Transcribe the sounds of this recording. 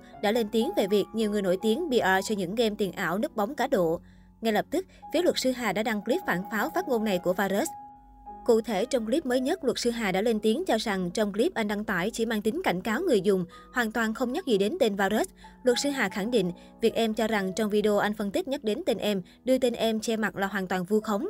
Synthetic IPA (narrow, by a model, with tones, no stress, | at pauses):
ɗa̰ː˧˥le˧nt̪i˨˦əŋve˨˩vi˨˩ək̚ɲi˨˩əwŋ˨˩əjno̰˧˩jt̪i˨˦əŋɓi˧ʔəː˧sɔ˧ɲɨ̰˧˥ŋɣe˧mt̪i˨˩ənʔa̰ː˧˩wnɨ˦˥k̚ɓa˨˦wŋ͡mkaː˨˦ɗo̰˧˨ | ŋa˧jlə˨˩p̚t̪ɨ˦˥k̚fi˨˦əlwə˨˩t̚sɨ˧ɦaː˨˩ɗa̰ː˧˥ɗa˧ŋkli˦˥p̚faː˧˩nfaː˨˦wfaː˦˥t̚ŋo˧nːa˨˩jku˧˩əvaː˧ze˦˥s | kṵ˧˨t̪ʰe˧˩t͡ɕɔ˧wŋ͡mkli˦˥p̚məː˨˦jɲə˦˥t̚lwə˨˩t̚sɨ˧ɦaː˨˩ɗa̰ː˧˥le˧nt̪i˨˦əŋt͡ɕɔ˧za˨˩ŋt͡ɕɔ˧wŋ͡mkli˦˥p̚ʔa˧jŋ̟ɗa˧ŋt̪aː˧˩jt͡ɕḭ˧˩maː˧ŋt̪ï˨˦ŋ̟ka˧˩jŋ̟kaː˨˦wŋɨ˨˩əjzʊ˨˩ŋ͡m | hwaː˨˩nt̪waː˨˩nxə˧wŋ͡mɲa˦˥k̚zḭ˧˨˩ɗe˨˦nt̪e˧nvaː˧ze˦˥slwə˨˩t̚sɨ˧ɦaː˨˩xa˧˩ŋɗḭ̈˧˨ŋ̟ | vi˨˩k̚ʔɛ˧mt͡ɕɔ˧za˨˩ŋt͡ɕɔ˧wŋ͡mvi˧ɗe˧o˧ʔa˧jŋ̟fə˧nt̪i˦˥k̟̚ɲə˦˥k̚ɗe˨˦nt̪e˧nʔɛ˧m | ɗɨ˧ət̪e˧nʔɛ˧mt͡ɕɛ˧ma˨˩t̚laː˨˩ɦaː˨˩nt̪waː˨˩nvu˧xə˨˦wŋ͡m